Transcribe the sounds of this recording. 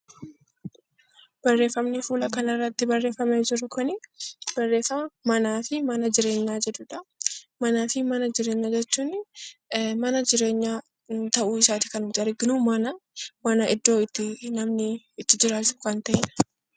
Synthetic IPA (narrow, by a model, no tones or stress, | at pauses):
b̥ɐrːe̞ːfːɐmnɪfuːlɐkɐnɐrːɐt̪ːɪbɐrːe̞ːfːɐmeːd͡ʒɪɾɐkʊnɪb̥ɐrːe̞ːfɐmɐmɐnaːfɪmɐnɐd͡ʒɪɾe̞ːɲːaːd͡ʒɛd̪ʊᶑɐmɐnaːfɪmɐnɐd͡ʒɪɾe̞ːɲːaːd͡ʒɛt͡ʃːuːn | mɐnɐd͡ʒɪɾe̞ːɲːaː | t̪ɐʔuːɪsaːt̪ɪ̥kɐnɪd͡ʒɐɾɪɡɪnuːmɐnɐmɐnɐʔɪd̪ːo̞ːɪt̪ːɪnɐmnɪ | ɪt̪ːɪd͡ʒɪɾaːt͡ʃʊ̥kɐnt̪ɐʔɪnɐ̥